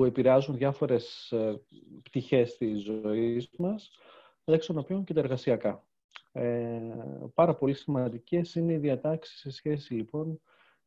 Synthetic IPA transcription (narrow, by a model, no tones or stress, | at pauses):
pue̞piɾeɐzunðʝɐfo̞ɾe̞s | pt̪içe̞st̪izoo̞izmɐs | ekst̪onopçoɲcet̪ɐeɾɣɐsiɐkɐ | pɐɾɐpo̞lisimɐnd̪ice̞sine̞iðiɐt̪ɐksi̥sisçe̞silipo̞n